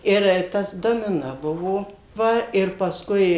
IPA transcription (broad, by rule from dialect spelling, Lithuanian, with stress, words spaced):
ˈɪr ˈtɐs doːmʲɪˈnoː ˈbʊʋoː ˈʋɐ ɪr pɐsˈkʊɪ